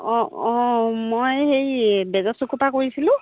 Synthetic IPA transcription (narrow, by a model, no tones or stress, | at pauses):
ɔ̃ɔ̃mojhejbɛzɔsukupakoɹisilʊ̃